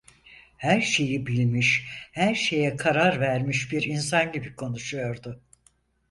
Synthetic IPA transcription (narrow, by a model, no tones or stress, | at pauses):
hæɾʃe̞jibilʲmiʃhæɾʃe̞jɛkʰaɾaɾvæɾmiʃbiɾinsanɟibikʰo̞nuʃujo̞ɾd̪ʊ